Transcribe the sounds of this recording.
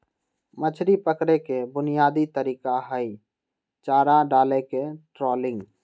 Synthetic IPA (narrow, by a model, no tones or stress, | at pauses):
mət͡ʃʰɾipəkɽekebʊnijaːd̪it̪əɾiːkaɦəi | t͡ʃaːɾãɖaːlekeʈɾɔːlɪ̃ŋɡ